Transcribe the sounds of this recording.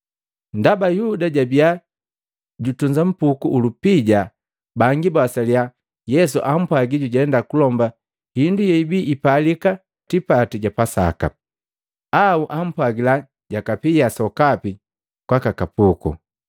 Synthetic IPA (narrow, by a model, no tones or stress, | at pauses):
ndabajudaɟabia | ɟutuɲd͡ʒam̩pukuʔulupiɟa | baŋɡibasalja | jɛs̬uʔam̩pwaɡiɟuɟɛndakulɔmba | hindujɔibiːpalika | tipatiɟapasa̰ka̰ | auʔam̩pwaɡila | ɟakapijasɔkapi | kwakakapukṵ